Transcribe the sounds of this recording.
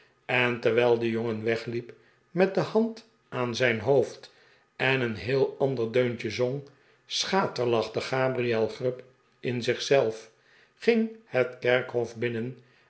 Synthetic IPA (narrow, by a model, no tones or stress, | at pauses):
ɛntəɹʋɛːlˠdəjoŋənʋɛχlip | mɛt̚dəhɑnt | aːnzɛjnɦowft | ɛnənɦɪːlˠɑndəɹdøɥnt͡ʃəzoŋ | sχaːtəɹlɑχdəχaːbriɛlˠχrʏp | ʔɪnzɪχsɛlˠf | χɪŋhətkɛɹkɦɔfbɪnən